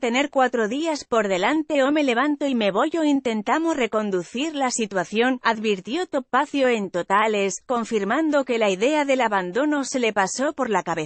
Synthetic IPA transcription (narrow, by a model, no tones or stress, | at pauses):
t̪e̞ne̞ɾkwat̪ɾo̞ðiaspo̞ɾðe̞lant̪e̞ome̞le̞β̞ant̪oime̞βo̞ʝo̞int̪e̞nt̪amosre̞ko̞nd̪uθiɾlasit̪waθjo̞naðβiɾt̪jo̞t̪o̞paθjo̞e̞nt̪o̞t̪ale̞sko̞ɱfiɾmãnd̪o̞ke̞laiðe̞aðe̞laβand̪o̞no̞se̞le̞paso̞po̞ɾlakaβe